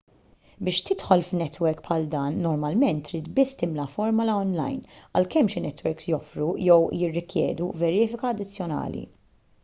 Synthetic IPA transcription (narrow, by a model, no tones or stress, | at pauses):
bɪːʃt̪ɪt̪ħɔlfnɛt̪wɛɾkpħɐld̪ɐːnːɔɾmɐlmɛnt̪ːɾiːt̪bɪsːt̪ɪmlɐfɔɾmɐlɐɔnlɐ̰jnɐ̰lkɛmʃɪnɛt̪ːwɛɾksjɔfɾujɛwjɪrːɪkjɛ̰ːd̪uvɛɾɪːfɪkɐːd̪ːɪt͡sːjɔnɐ̰ːlḭ